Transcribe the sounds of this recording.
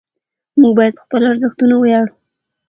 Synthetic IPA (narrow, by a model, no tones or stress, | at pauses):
muɡ̚bɑjad̪̚pə̥xpəlaɾzəxt̪unawəjɑɽu